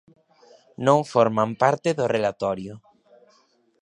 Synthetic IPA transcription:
nõŋfɔɾmampaɾt̪ɪðorelat̪ɔɾjʊ

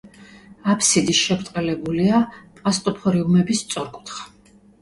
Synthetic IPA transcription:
apʰsid̪isʃɛbɾt̪ʼqʼɛlɛbuliapʼast̪ʼɔpʰɔɾiumɛbist̪sʼɔɾkʼut̪ʰχḁ

